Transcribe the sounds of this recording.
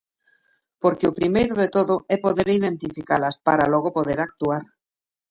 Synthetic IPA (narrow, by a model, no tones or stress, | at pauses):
poɾkeopɾimejɾoðet̪oðoepoðeɾiðẽ̞nt̪ifikalaspaɾaloɣ̞opoð̞eɾakt̪uaɾ